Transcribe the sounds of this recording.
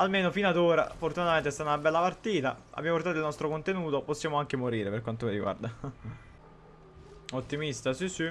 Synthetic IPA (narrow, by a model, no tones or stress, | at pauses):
almeːnofinad̪oːɾa̰fort̪unat̪ament̪est̪aːt̪aunabɛlːapart̪iːt̪aa̰bːjamoport̪at̪oilnɔst̪ɾokont̪enuːt̪oposːjaːmoaŋk̟emoɾiːɾeperkwant̪omiɾiɡwa̰rd̪a | ot̪ːimist̪asisi